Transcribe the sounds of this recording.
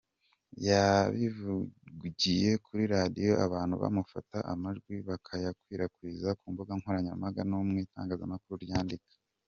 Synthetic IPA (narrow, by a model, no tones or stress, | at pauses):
jaβivuɟije̞kʰuɾiɾadijo̞a̰βaːn̥huβa̰mufataʔamaʒɡwiβakʰajakwiːɾakwiːzakuːmbuɡaŋhoɾaɲa̰maɡanumŋiːta̰ːŋɡaːzamakuɾuɾjaːndikḁ